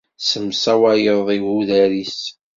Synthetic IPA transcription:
səmsæwæjəððˤiɣuðæɾis

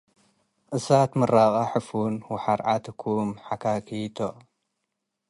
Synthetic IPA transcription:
ʔɨsat̪mɨraqʼaħɨfunwʊħaɾʕat̪ɨkʰumħakʰakʰit̪ʰo

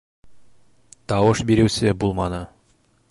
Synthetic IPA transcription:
t̪ɑwɤʃbiɾɘ̆wsɘbulˠmɑnɤ

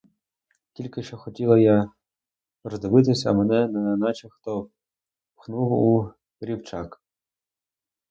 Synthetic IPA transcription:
tʲilʲkɪʃt͡ʃɔxɔtʲilˠɐja | rɔzd̪ebɪt̪̬ɪsʲɐ̰mɛnɛnɐnɑt͡ʃɐxt̪ɔ | pxnuwˠu | ɾʲiwt͡ʃɑk

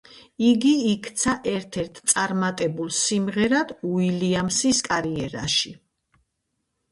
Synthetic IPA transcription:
iɡiikʰt̪sʰaʔɛɾt̪ʰɛɾt̪ʰt̪sʼaɾmat̪ʼɛbulˠsimʁɛɾad̪̥uiliamsiskʼaɾiɛɾa̰ʃi

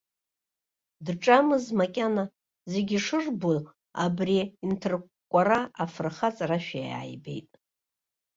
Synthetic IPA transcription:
dʈ͡ʂʼamɨzmakʲʼana | ze̞ɡʲiʂɨrbu | abriːntʰɨr | kʷʼaɾaafrχat͡sʼaraʃᶣaja̰ːjbe̞̰jtʼ

